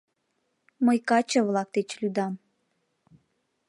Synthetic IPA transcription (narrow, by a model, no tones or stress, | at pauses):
məjkɑt͡ɕə̆βlˠɑk̚t̪et͡ɕlʲud̪ɑm